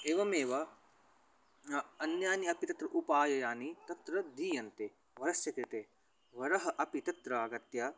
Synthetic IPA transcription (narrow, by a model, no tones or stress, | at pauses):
eːʋɐmeːʋɐ | ɐnjaːniɐpit̪ɐt̪ɾɐʔupaːjɐjaːnit̪ɐt̪ɾɐd̪iːjɐnt̪e | ʋɐɾɐsjɐkɾit̪eː | ʋɐɾɐɦɐʔɐpit̪ɐt̪ɾɐaːɡɐt̪jɐ